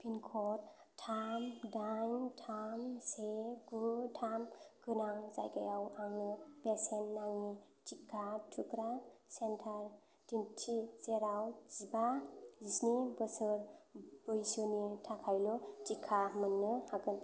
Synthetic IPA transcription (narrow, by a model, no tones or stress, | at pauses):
pʰinkʰɔɾ | tʰamdaɲntʰamseɡutʰamɡɯnaŋza̰jɡajawaŋnɯbesenːaŋi | t͡ʃikʰːatʰukɾasentʰaɾ | dintʰizeɾawz̥ibazisnibɯsɯɾbɯjsɯnitʰakʰajlɔt͡ʃikʰːamɯnːɯhaɡɯn